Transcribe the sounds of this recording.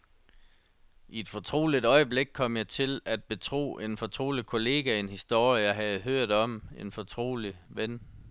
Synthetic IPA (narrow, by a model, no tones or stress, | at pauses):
ie̝d̥fɒ̽t͡sʰʁo̝̰ːlid̥ɒ̽ɪəb̥le̝ɡ̥̚kʰɒ̽m̰jɑ̈ɪt͡sʰe̝læd̥̚b̥e̝t͡sʰʁo̝̰ːʔe̝nfɒ̽t͡sʰʁo̝̰ːlikʰo̝le̝̰ːɡ̥æe̝nhisd̥o̝ɐ̰jəjɑɪɦæð̞̩ˠɦøɐ̰d̥ɒ̽me̝nfɒ̽t͡sʰʁo̝̰ːliʋen